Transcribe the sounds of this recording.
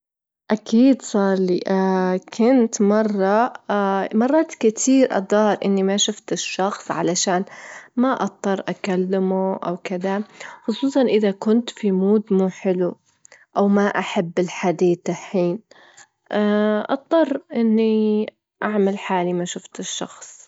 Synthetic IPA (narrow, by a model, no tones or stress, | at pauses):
ʔakʰiːd̪sˤɑːɾˤlḭʔakʰʊnt̪mɑrˤːɑ | mɑrˤːɑːt̪kɪt̪ʰiːɾʔɑ̰d̪ˤɑːɾˤʔɪnːimaʃʊft̪ɪʃːɑxsˤʕa̰laʃaːnmaʔɑt̪ˤːɑrˤʔakalːɪmuʔa̰wkɪd̪axʊsˤuːsˤɑnʔɪðakʊnt̪fimuːd̪muːħɪlu | ʔawmaʔaħabːɪlħad̪iːt̪aħiːn | ʔaʔɑ̰t̪ˤːɑrˤːʔɪnːi | ʔaʕmalħaːlimaʃʊft̪ɪʃːɑ̰xsˤ